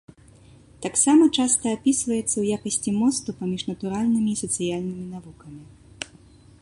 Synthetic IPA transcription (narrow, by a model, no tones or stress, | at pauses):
t̪aksamɐt͡ʂast̪ɐːpʲisvɐjɛt̪sːɐwjakɐsʲt͡sʲimɔst̪upamʲiʐnɐt̪uɾalʲnɨmʲiːsɐt̪sɨjalʲnɨmʲinavukɐmʲi